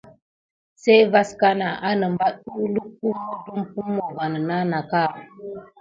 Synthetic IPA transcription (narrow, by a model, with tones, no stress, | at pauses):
se˦jva˦ska˦na˨ʔa˦nə˨mba˦ɗu˦lu˦k̚pu˦mo˦du˦mpu˦mːo˨va˨nə˨na˦na˨ka˦˨